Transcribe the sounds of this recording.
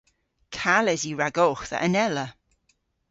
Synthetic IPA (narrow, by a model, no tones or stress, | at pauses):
kʰalɛziɹaɡɔxθə̰ʔənɛlə